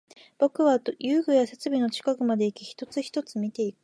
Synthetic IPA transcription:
b̥o̞kɯ̟βad̪jɯːɡɯ̟jase̞t͡sɨbʲino̞t͡ɕi̥kakɯ̟mad̪e̞ikʲiçi̥t̪o̞t͡sɨçi̥t̪o̞t͡sɨmʲit̪e̞ikɯ̥

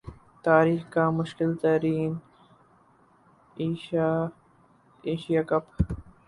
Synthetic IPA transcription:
t̪aːɾiːxkaːmʊʃkɪlt̪ɐɾiːn | iːʃaː | eːʃijakɐp

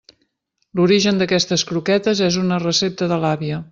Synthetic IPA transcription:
luɾiʒənd̪əkɛst̪əskɾukɛt̪əzɛzunərəsep̚t̪əðəlaβiə

